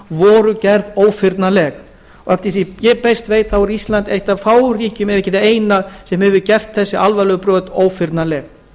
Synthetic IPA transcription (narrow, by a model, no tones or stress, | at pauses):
vɔɾʏcɛɾðoːwfɪɾt̪nalɛx | ɔɣɛft̪ɪɾθijɛpest̪veːjt̪θawɛɾist̪lant̪ejht̪avfaːwriːcʏmɛɪcɛt̪eːjnasɛmhɛvʏɾcɛr̥t̪θɛsːɪʔalvalœpɾœːt̪oːwfɪɾt̪nalɛːx